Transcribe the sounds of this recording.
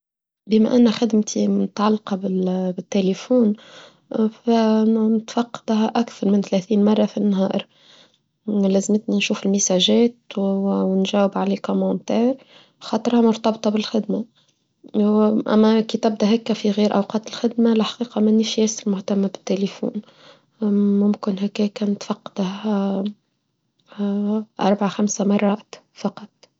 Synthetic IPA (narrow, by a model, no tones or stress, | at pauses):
bɪmæ̰ʔɪnːæxad̪mt̪ʰinɪt̪ʕɑlːqɑbɪbɪt̪ːelifuːn | fænt̪fɑqːɑ̥d̪ɦaʔakθɑɾˤmɪnθlæθiːnmɑrˤːɑfinːɦɑːʔɾ | læzmɪt̪ninʃuːfɪlmisæʒɛːt̪wnʒæːwɪbʕaleːkomɑnt̪ɛːɾ | xɑt̪ˤɾhɑmʊɾt̪ɑbt̪ˤɑbɪlxɪd̪ma | ʔæ̰mːækiːt̪ɪb̚d̪æɦækːæfiɣiːɾʔa̰wqɑːt̪ɪlxɪd̪malɪħḁqiːqɑmæniʃjæːsɪlmʊht̪amːabɪ̥t̪ːelifṵːn | mʊmkɪnɦækːæːkænt̪fɑqːd̪ah | ʔɑ̰ɾˤbaʕaxamsamɑrˤːɑʔ | fɑqɑt̪ˤ